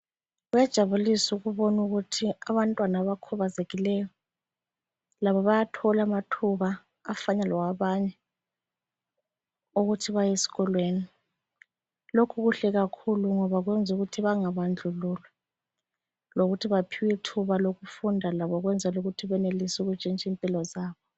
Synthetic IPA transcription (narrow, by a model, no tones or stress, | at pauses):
ɣwjɛd̥ʒ̥ʱaβulisuɣuβɔnuɣutʰiaβantʼwanaβakʰɔβazeɣilɛjɔ | laβɔβajatʰɔlamatʰuβaː | faɲalɔwaβaɲɛ | uɣutʰiβajesi̥ɣɔlweni | lokʰuɣuɬɛɣakʰuluŋɔβaɣwɛnd͡zʱuɣutʰiβaŋaβand͡ɮʱululwɛ | loɣutʰiβapʰiwitʰuβaloɣufundʱalaβɔɣwɛnd͡zʱaluɣutʰiβɛnelisuɣut͡ʃʼint͡ʃʼimpʼilɔzaːβɔ